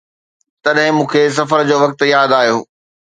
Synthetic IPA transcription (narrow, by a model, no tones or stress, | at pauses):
t̪ɐɗɦɪ̃mũːkʰes̬ɐfəɾd͡ʑoːʋɐk̚t̪ʊjaːd̪aːɦijoː